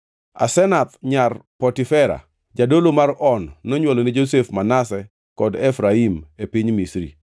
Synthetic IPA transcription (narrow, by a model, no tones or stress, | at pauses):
a̰sɛnat̪ɲarpɔtifɛɾa̰ | d͡ʒadolomaɾɔnːɔɲwɔlɔnid͡ʒosefmanasɛ | kɔdefɾaimepiɲmisɾḭ